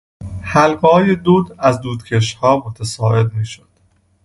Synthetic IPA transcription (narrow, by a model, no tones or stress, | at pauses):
hælɡɒːjed̪uːd̪æzd̪uːd̪̥cʰeʃhɒːmot̪ʰæsɒːe̞d̪miːʃod̪̥